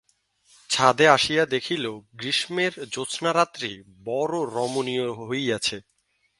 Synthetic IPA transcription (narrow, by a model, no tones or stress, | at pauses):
t͡ɕʰad̪eaʃijad̪ekʰiloɡɾiʃmeɾd͡ʑot͡ɕʰnaɾat̪ːɾi | bɔɾoɾɔmonijoɦojat͡ɕʰe